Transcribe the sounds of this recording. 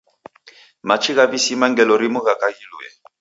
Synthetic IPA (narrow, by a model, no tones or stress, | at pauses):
mat͡ʃiɣaβisimaŋɡɛlɔɾimuɣakaɣilṵɛ̰